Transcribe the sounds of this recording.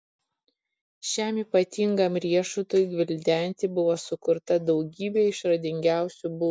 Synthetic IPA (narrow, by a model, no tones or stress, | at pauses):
ʃʲæmiːpɐt̪ʲiŋɡɐmɾʲiɛʃʊt̪ojɡʋʲɪlʲd̪ʲɛnʲˑt̪ʲibʊʋoːsʊkʊɾt̪ɐd̪ɒʊɡʲiːbʲeːɪʃɾɐd̪ʲɪŋʲɡʲæˑʊsʲubʊ